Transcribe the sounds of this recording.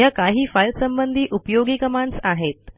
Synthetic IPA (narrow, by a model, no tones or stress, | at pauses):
jakaɦiːfajlsəmbənd̪ʱiːʔupjoɡiːkəmaɳɖsaɦet̪̚